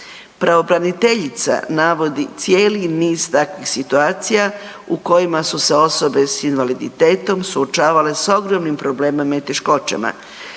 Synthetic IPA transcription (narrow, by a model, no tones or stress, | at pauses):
pɾaʋo̞bɾanit̪e̞ʎit̪sa̰naʋo̞d̪it̪sje̞ːliniːz̥t̪akʋixsit̪uaːt̪sija | uko̞jimasuse̞o̞so̞be̞sinʋalid̪it̪e̞ːt̪o̞msuot͡ʃaːʋale̞so̞ɡɾomnimpɾo̞ble̞ːmemait̪e̞ʃko̞t͡ʃḛma̰